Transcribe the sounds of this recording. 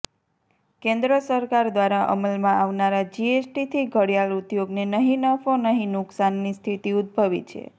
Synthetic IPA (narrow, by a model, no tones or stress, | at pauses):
kẽnd̪ɾəsəɾkaɾd̪ʋaɾaʔə̰məlmãʔaʋnaɾad͡ʒiesʈit̪ʰiɡʱəɽjalut̪joɡnenəɦĩnəfonəɦĩnʊksanːist̪ʰit̪iud̪̚bʱəʋḭt̪t͡ʃʰḛ